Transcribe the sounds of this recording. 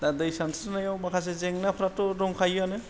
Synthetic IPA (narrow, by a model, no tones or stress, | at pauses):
dadɯjsansnajawbakʰas̬ezeŋnapʰɾatɔɾɔŋkʰajanɯ